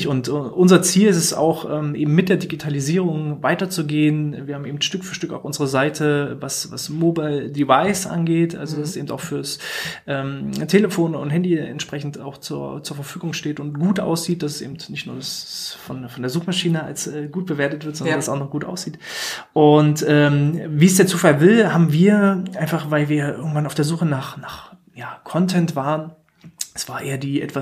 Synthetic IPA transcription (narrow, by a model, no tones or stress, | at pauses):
çʊntʔʊnzɐt͡siːlɪsɛsa̰ʊxʔɛːmʔeːbm̩mɪt̚d̥eːɐdiɡitʰaliziːʁʊŋvaɪtɐt͡suɡeːənviːɐhabm̩eːbm̩tʃtʏkfyːɐʃtʏkaʊʔʊnzəʁəzaɪtʰəvasva̰smoːbaɪldivaɪsʔa̰nɡeːtʔa̰lzodasɛseːbm̩taʊxfyːɐsʔɛːmtʰeləfoːnʊ̰nthɛndiɛ̰ntʃpʁ̥ɛçn̩ta̰ʊxt͡suɐt͡suːɐfɛɐfyːɡʊŋʃteːtʊntɡ̥uːtʔa̰ʊsz̥iːt̚d̥assḛːbm̩tnɪçtnuːɐdasfɔnfɔndeɐzuːxmaʃiːnəa̰lsɛːɡuːt̚b̥əveːɐtətv̥ɪɐtz̥ɔnɐndsaʊxnɔχɡ̥uːtʔa̰ʊsz̥iːtʔʊntʔɛːmviːsd̥eːɐt͡suːfalvɪlhaːbm̩viːɐʔaɪnfaχvaɪlviːɐʔɪ̰ɐɡŋ̩tv̥anaʊfd̥eːɐzuːxənaːχnaːχ | jaːkʰɔntʰɛntv̥aːʁən | ɛsv̥aːɐʔeːɐdiːʔɛ̰tv̥a